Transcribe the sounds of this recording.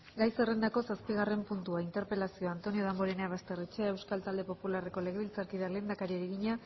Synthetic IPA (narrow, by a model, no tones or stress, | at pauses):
ɡajse̞re̞nd̪ako̞saspiɣ̞are̞mpunt̪uaint̪e̞ɾpe̞lasio̞ant̪o̞nio̞ð̞amboɾeneaβast̪e̞ret͡ʃeae̞wskalt̪ald̪e̞po̞pulare̞ko̞le̞ɣeilt͡saɾkiðale̞ːnd̪akaɾieɾiɣiɲa